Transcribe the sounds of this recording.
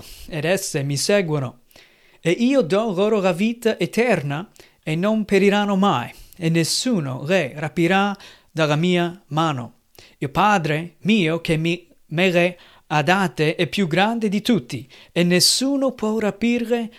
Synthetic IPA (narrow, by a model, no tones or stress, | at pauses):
ed̪ɛsːemisɛɡwono | eiːod̪ɔɣoɾolaviːt̪aʔet̪ɛɾna | enːompeɾiɾanomajenːesuːno̰ɣerapiɾa | d̪alamiːamaːno̰ | iopaːd̪ɾemiːokemi | meɣe | ad̪at̪eʔɛpːjuɡɾand̪ed̪it̪ut̪ːi | enːesːuːnopwɔrapirːe